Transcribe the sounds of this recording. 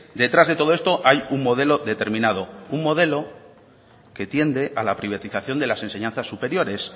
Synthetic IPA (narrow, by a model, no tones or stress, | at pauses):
d̪e̞t̪ɾazðet̪o̞ðoest̪o̞ʔajuŋmo̞ðe̞lo̞ðe̞t̪e̞ɾmĩnaðo̞uŋmo̞ð̞e̞lo̞ | ke̞t̪je̞nd̪e̞ʔalapɾiβ̞at̪iθaθjo̞nd̪e̞lase̞nse̞ɲãnθasːupe̞ɾjo̞ɾe̞s